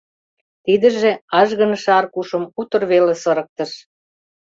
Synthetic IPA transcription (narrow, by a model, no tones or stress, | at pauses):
t̪id̪ə̆ʒeɑʒɣə̆nʃɑrkuʃəmut̪ə̆rβelesɤɾə̆k̚t̪ə̆ʃ